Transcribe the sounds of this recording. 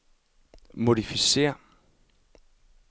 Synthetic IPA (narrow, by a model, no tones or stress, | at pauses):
modifiseɐ